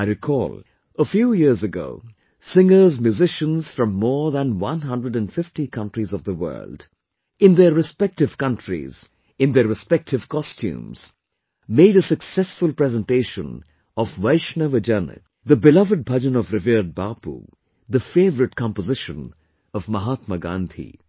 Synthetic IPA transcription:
aɪɾɪkʰɔ̰l | əfjuːjiɹzəɡo̰ʊ | sɪ̃ŋə˞zmjʉzɪʃə̃nz̥fɹʌ̃mːɔːɹðə̃nwʌ̃nɦʌ̃ndɹəɾɨ̃nfɪftikʰʌ̃ntɹizʌvðəwɜ̰˞ld | ɪ̃nðə˞ɹɨspɛk̚tɨv̥kʌ̃ntʰɹḭz̥ | ɨ̃nðəɹɨspɛk̚tʰɨv̥kʰɔstʰṵ̃mz̥ | meɪɾəsɨksɛsfʊlˠpɹɛzə̃nteɪʃə̃n | ɔvwaɪʃnəvəd͡ʒən̰ | ðəbɪlʌvəd̚bʱʌd͡ʒə̃nɔvɾɪvid̚baːpṵ | ðəfeɪvəɾɨʈ̚kʰɑ̃mpəzɪʃə̃n | ʌvməɦaːt̪məɡã̰nd̪ʰḭ

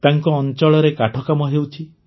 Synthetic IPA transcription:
t̪aŋkɔːnt͡ʃɔɭɔɾekaʈʰɔkamɔɦewt͡ʃʰi

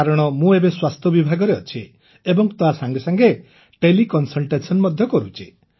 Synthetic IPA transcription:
aɾɔɽ̃ɔmũebeswast̪ʰɔbibʱaɡɔɾeɔt͡ʃʰi | ebɔŋt̪oɦasaŋɡesaŋɡe | ʈelikɔnsɔlʈesɔnmɔd̪ʱjɔkɔɾut͡ʃʰi

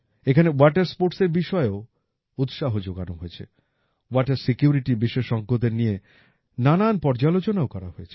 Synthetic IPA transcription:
ekʰanewaʈeɾspoɾʈseɾbiʃɔeo | ut̪ʃaɦod͡ʑoɡa̰noɦoet͡ɕʰḛ | waʈeɾsikjuɾiʈibiʃeʃɔŋɡʱːod̪eɾnije | nananpɔɾd͡ʑalot͡ɕonaokɔɾa̰ɦoet͡ɕʰe̥

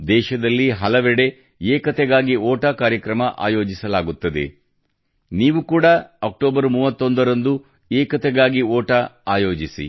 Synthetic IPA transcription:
d̪ɛːʃɐd̪ɐlːiɦɐlɐʋɛɽe̞ | eːkɐt̪ɛɡaːɡioːʈɐkaːɾjɐkɾɐmɐʔa̰ːjo̞ːd͡ʒisɐlaːɡut̪ːɐd̪e̞̰ | niːʋukuːɽɐɐk̚ʈoːbɐɾmuːʋɐt̪ːo̞nd̪ɐɾɐnd̪u | eːkɐt̪ɛɡaːɡiɔːʈɐaːjo̞ːd͡ʒisḭ

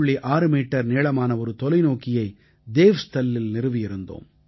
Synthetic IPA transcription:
ɭːiʔaːɾɯmiːʈːɐɾneːɭɐmaːnɐɔɾɯt̪ɔlɐɪnoːkɪjɐɪ | d̪eːʋst̪ɐlːɪlnɪɾɯʋɪjɪɾɯnd̪o̰ːm

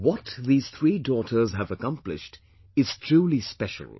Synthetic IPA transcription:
wɔtðiːz̥θʰɹiːdɔːtʰə˞zəvəkʌ̃mplɪ̰ʃt | ɪz̥tʰɹ̥uːlispɛʃə̰l̩ˠ

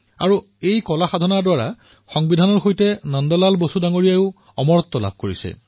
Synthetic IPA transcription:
a̰ɹu | ejkɔlaxadʱɔnaɹdwaɹa | xɔŋbidʱanɔɹxojtɛnɔndɔlalbosudaŋoɹijaʊ | ɔmɔɹɔt̪ːɔla̰b̚ʱkoɹisɛ̰

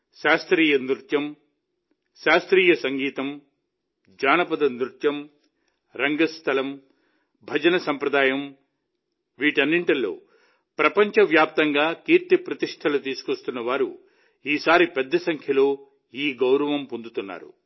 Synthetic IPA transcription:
ʃaːst̪ɾiːjɐnd̪ɾut̪jɐm | ʃaːst̪ɾiːjɐsɐŋɡiːt̪ɐm | d͡ʒaːnɐpɐd̪ɐnd̪ɾut̪jɐm | ɾɐŋɡɐst̪ʰɐlɐm | bʱɐd͡ʒɐnɐsɐmpɾɐd̪aːjɐm | ʋiːʈiɐnːiɳʈɐlːo̞̰ː | pɾɐpɐɲt͡ʃɐʋjaːp̚t̪ɐŋɡaːkiːɾt̪ipɾɐt̪iʂʈʰɐlut̪iːsu̥kʋɐst̪unːɐʋaːɾṵ | iːsaːɾipɛd̪ːɐsɐŋkʰjɐlo̞ː | iːɡɐwɾɐʋɐmpond̪ut̪unːa̰ːɾṵ

